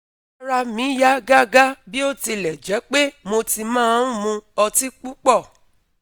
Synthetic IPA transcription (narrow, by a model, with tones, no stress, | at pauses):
a˧ɾa˧mĩ˨˦ja˦ɡa˦ɡa˦bi˦o˦˨ti˧lɛ˨d͡ʒɛ˨˦k͡pe˦mo˧ti˧mãː˦ũ˦˨mũ˧ɔ˧ti˦k͡pu˦k͡pɔ˦˨